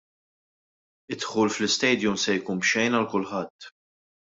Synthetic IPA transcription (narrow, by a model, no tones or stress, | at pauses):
ɪt̪ħuːlflɪst̪ɛjd̪jʊmsɛjkuːnpʃɛjnɐlkʊlħɐt̪ː